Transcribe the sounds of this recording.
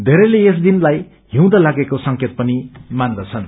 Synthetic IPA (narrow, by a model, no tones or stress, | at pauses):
d̪ʱeɾʌlees̬d̪inlaj | ɦĩw̃d̪ʌlaɡekosʌŋket̪̚pʌnimand̪ʌt͡sʰʌn